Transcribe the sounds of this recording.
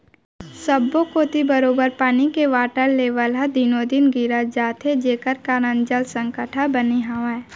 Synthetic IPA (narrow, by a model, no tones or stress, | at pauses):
səbːokoːt̪ibəɾoːbəɾpaːnikeʋaːʈəɾleːʋəlɦad̪inoːd̪inɡiɾad͡ʒaːt̪ʰed͡ʒeːkəɾkaːɾə̃nd͡ʒəlsə̃ŋkəʈʰabəniɦaʋa